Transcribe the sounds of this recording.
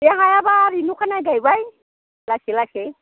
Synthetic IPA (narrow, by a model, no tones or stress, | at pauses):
jaŋajabaːɾinukʰanajɡajbaj | laselase